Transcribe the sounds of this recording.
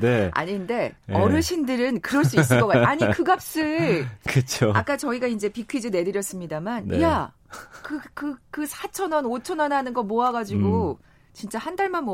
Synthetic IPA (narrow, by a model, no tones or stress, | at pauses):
nea̰ɲinde̞ʌɾɯɭɕʰindɯɾɯnkɯɾʌɭs͈uis͈ɯkʌk͈ajaɲikʰɯɡap̚s͈ɯɭkɯt͡ɕʰoa̰k͈at͡ɕʌiɡaind͡ʑe̞pikʰid͡ʑɯne̞dɯɾjʌs͈ɯmɲidamanja | kɯkɯkɯsʰat͡ɕʰʌnʌnot͡ɕʰʌnʌnɦanɯnɡʌmoaɡad͡ʑiɡo | t͡ɕint͡ɕ͈ahandaɭmanmo